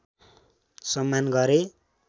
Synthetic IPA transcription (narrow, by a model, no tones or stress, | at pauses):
sʌmːanɡʌɾe